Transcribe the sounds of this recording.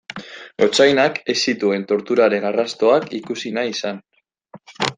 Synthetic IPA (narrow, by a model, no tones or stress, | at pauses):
o̞t͡ʃajnake̞sit̪ue̞nt̪o̞ɾt̪uɾaɾe̞narast̪o̞akḭkusinaisan